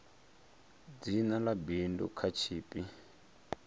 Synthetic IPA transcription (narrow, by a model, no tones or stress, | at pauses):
d͡zinalabindṵkʰat͡ʃʰiːpʼi